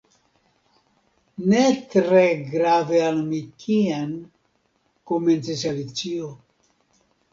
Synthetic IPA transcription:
netɾeɡɾavealmikʰian | kome̞nt͡sisalit͡sio

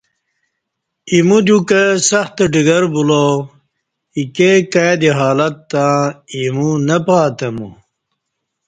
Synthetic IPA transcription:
imud̪ukɐsɐxt̪ɐɖiɡɐɾbulo | ikekajd̪iɦaːlɐt̪ːãːimunɐpaːt̪ɐmṵ

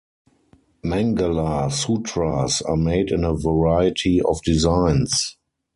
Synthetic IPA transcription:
mæ̃ŋɡalasutʰɹasameɪdɪ̃nəvəɹaɪətʰiɔfdizãɪ̃ns

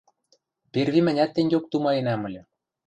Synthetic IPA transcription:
pʲerβimɘ̆nʲæt̪ːenʲɡʲok̚t̪umɑenæmɘ̆lʲɘ̆

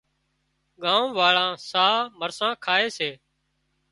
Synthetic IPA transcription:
ɠãːũːʋaːɭãːsaːməɾsãːkʰaːeːseː

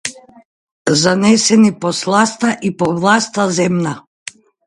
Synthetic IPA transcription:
zanɛsɛnipɔslˠast̪aʔipɔvlˠast̪azɛmna

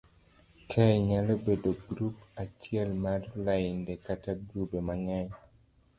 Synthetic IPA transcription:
kʰɛjɲalobedoɡɾupat͡ʃjɛlmarlaɪndɛkataɡɾubemaŋɛɲ

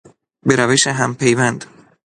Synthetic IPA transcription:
beɾæveʃeɦæmpʰejvænd̪̥

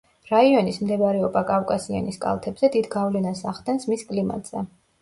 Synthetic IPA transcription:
ɾaiɔnismd̪ɛbaɾɛɔbakʼafkʼasia̰niskʼa̰lˠt̪ʰɛbzɛd̪id̪ɡavlɛnasaχd̪ɛnsmiskʼlima̰t̪ʼz̥ɛ

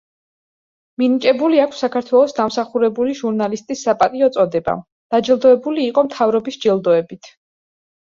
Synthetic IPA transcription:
minit͡ʃʼɛbuliakʷʰsːakʰaɾt̪ʰwɛlˠɔsd̪amsaχuɾɛbuliʒuɾnalist̪ʼisːapʼat̪ʼiɔt̪sʼɔd̪ɛba̰ | d̪̥ad͡ʒɛlˠd̪ɔɛbuliːqʼɔmt̪ʰavɾɔbisd͡ʒɛlˠd̪ɔɛbit̪ʰ

